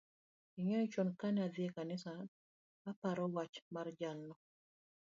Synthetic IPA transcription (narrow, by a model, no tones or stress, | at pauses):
iɲɔit͡ʃɔnkanaðɪekanɪsa | apaɾɔwat͡ʃmard͡ʒalnɔ